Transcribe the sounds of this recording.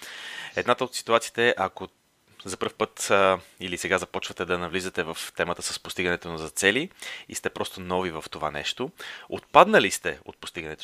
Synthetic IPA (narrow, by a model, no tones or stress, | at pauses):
ɛd̪nat̪əot̪si̥t̪uat̪sit̪ɛʔɐko | zɐpɤɾfpɤt̪ilisɛɡazɐpɔt͡ʃvɐt̪ɛd̪ɐnɐvlizət̪ɛvəft̪ɛmət̪əsəspost̪iɡɐnɛt̪onɐzɐt̪sɛliḭst̪ɛpɾʔɔst̪onɔvivəft̪ova̰nɛ̰ʃt̪oo̰t̪̚pad̪nəlist̪ɛo̰t̪̚po̥st̪iɡɐnɛt̪o